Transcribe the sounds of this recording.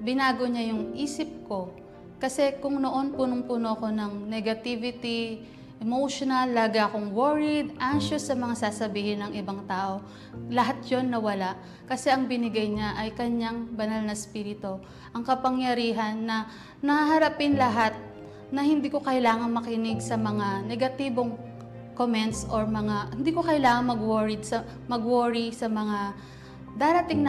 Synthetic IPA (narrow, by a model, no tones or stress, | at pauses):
bɪnaːɡoɲajʊŋʔiːsɪp̚ko̞ | kɐsɛkʊŋno̞ʔo̞npuːnʊŋpuːnoɐko̞nɐŋnɛɡɐt̪ivɪt̪i | ʔɛmowʃonɐlːaːɡakoŋwoɹɪd̪̚ʔaŋʃosːɐmɐŋasaːsɐbiːhɪnɐŋʔɪbaŋt̪aːʔo̞ | lɐɦat̪̚jo̞nːɐwɐlaʔ | kɐsɛʔɐŋbɪnɪɡajɲaʔɐjkɐɲːaŋbɐnalnɐspiːɾɪt̪o | ʔɐŋkɐpɐŋjɐɾiːɦɐnːɐ | nɐaɦɐɾapɪnlɐɦat̪̚ | nɐhɪnd̪iːko̞kɐjlaːŋɐŋmɐkɪnɪɡsɐmɐŋanɛɡɐt̪iːbo̞ŋ | komɛnt̪sʔoɹmɐŋahɪnd̪iːkokɐjlaːŋɐŋmɐɡwoɹɪd̪̚sɐ | mɐɡwoɹisɐmɐŋa | d̪aːɾɐt̪ɪŋn